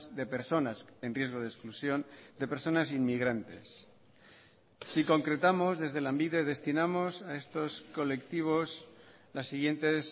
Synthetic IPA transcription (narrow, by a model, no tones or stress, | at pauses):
sðe̞pe̞ɾso̞nase̞nrje̞zɣ̞o̞ð̞esklusjo̞nd̪e̞pe̞ɾso̞nasinmiɣ̞ɾant̪e̞̰s | iko̞ŋkɾe̞t̪amo̞zðe̞zðe̞lambiðeð̞e̞st̪inamo̞sae̞st̪o̞sko̞le̞kt̪iβ̞o̞s | lasːiɣje̞nt̪e̞s